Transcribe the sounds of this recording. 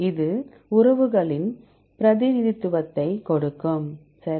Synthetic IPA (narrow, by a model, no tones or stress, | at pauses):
ɪðɯ | ʊɾɐʋɯɣɐɭɪn | pɪɾɐðɪnɪðɪt̪ːɯʋɐt̪ːɐɪkɔɽɯkːɯm | sɐɾ